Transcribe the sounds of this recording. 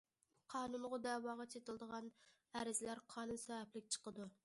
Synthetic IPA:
qʰɑːnunʁʊd̪æwɑːʁɑt͡ʃʰet̪ʰɪlˠd̪əʁɑn | æɾɪzlæɾqʰɑːnunsɛvæplɪkʲt͡ʃʰə̥qəd̪u

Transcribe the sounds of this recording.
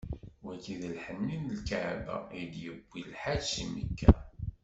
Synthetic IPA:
wækiðəlħənːinlkaʕbæ̰id̪jəbːilħasimə̰kːæ

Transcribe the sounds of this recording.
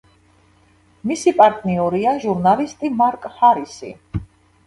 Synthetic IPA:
misipʼaɾt̪ʼniuɾiaʒuɾnalist̪ʼimaɾkʼhaɾisḭ

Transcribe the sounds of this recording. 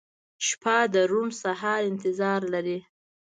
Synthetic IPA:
ʃpɑd̪əɾumsɑɦɑɾɪnt̪ɪzɑɾlaɾi

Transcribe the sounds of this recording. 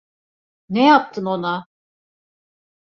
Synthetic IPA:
nejap̚t̪ʰɯno̞na

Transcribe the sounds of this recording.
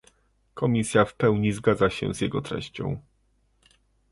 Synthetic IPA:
kʰɔmʲisʲjafpɛwɲizɡad̪zaɕɛ̰zʲjɛɡɔt̪ɾɛ̰ɕt͡ɕɔ̰̃w̃

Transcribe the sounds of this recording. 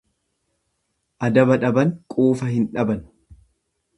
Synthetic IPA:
ʔɐd̪ɐbɐᶑɐbɐnkʼuːfɐhɪnᶑɐbɐn

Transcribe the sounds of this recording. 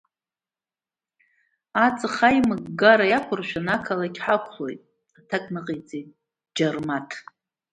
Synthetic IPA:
at͡sʼɨχajmɨɡɡaɾajakʷʰʊrʃʷᶣanakʰalakʲʰħakʷʰlojtʼ | atʰakʼnɨqʼejt͡sʼejtʼ | d͡ʒarmatʰ

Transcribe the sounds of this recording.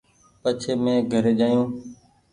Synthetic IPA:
pət͡ʃʰeːmẽːɡʱəɾeːd͡ʒaːjũː

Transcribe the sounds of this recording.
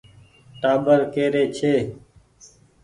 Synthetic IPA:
ʈaːbəɾkeːɾeːt͡ʃʰeː

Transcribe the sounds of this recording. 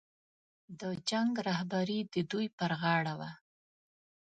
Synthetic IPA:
d̪əd͡ʒaŋɡɾahbaɾid̪əd̪ujpəɾɣɑɽawa

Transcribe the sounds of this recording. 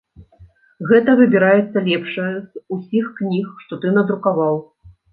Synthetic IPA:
ɣɛt̪ɐvɨbʲiɾajɛt̪sːɐlʲɛpʂɐjɐzusʲixknʲixʂt̪ɔt̪ɨnɐd̪ɾukavaw

